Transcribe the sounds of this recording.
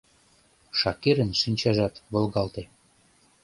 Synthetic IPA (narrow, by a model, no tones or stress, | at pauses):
ʃɑkeɾənʃinʲt͡ɕɑʒɑt̪βə̆lɣɑlt̪e